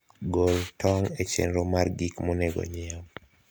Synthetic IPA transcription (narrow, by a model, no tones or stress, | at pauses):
ɡoltʰɔŋet͡ʃḛnɾomarɡikmonɛɡɔ̰ɲɪɔm